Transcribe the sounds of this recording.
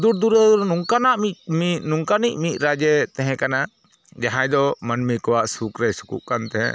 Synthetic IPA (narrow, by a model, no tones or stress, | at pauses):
d̪uɾd̪uɾnuŋkanaʔmiminuŋkanic̚ˀmit̪̚ˀɾad͡ʒɛt̪ɛɦɛ̃kana | d͡ʒaɦãj̃d̪ɔmənmikɔwaʔsukɾɛsu̥kṵʔkant̪ɛɦɛ̰̃